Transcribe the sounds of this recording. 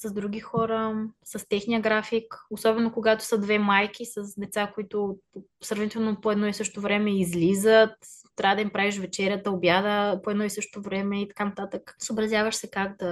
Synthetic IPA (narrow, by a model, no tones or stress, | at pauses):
sɐzd̪ɾuɡ̟ixɔɾəsɐst̪ɛxnijəɡɾafikosɔbɛnokoɡat̪o̥səd̪vɛmajk̟isɐsd̪ɛt̪sakoit̪o | sɾɐvnit̪ɛlˠnopoɛd̪nɔisɤʃt̪ovɾɛmɛizlizət̪t̪ːɾʲʔavəd̪ɐimpɾaviʃ̬vɛt͡ʃɛɾʲjət̪əobjad̪əpoɛd̪nɔisɤʃt̪ovɾɛmɛit̪ɐ̥kanɐt̪at̪əksəobɾɐzjavəʃsɛkaɡd̪ɐ